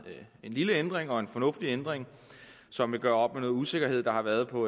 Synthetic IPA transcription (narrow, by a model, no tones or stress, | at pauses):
e̝nliləend̥ʁeŋɒ̽e̝nfɒ̽nɔ̽fd̥iend̥ʁeŋ | sɒ̽mʋe̝ɡ̥ɶːɐɒ̽b̥meno̽ːð̩ˠuse̝ɡ̥ɐɦe̝ð̞̰ˠd̥ɑ̈hɑ̈ʋæɐð̞ˠpʰɒ̽